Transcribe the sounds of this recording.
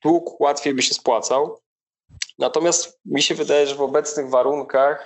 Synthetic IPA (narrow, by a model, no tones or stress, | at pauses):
d̪̥wukwat̪fʲjejbɘɕɛspwat̪saw | nat̪ɔmʲjast̪mʲiɕɛvɘd̪ajɛʐɛvɔbɛt̪snɘɣvaɾuŋkax